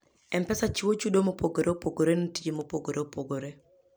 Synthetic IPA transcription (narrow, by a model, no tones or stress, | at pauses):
ɛmpɛsat͡ʃiwot͡ʃudomopoɡoɾeopoɡoɾenotid͡ʒimopoɡoɾeopoɡoɾe